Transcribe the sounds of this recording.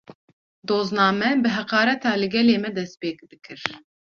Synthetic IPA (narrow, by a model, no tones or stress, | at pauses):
d̪oːznɑːmɛbɨɦɛqɑːɾɛt̪ʰɑːlɨɡʲɛleːmɛd̪ɛspeːk̚bɨkʰɨɾ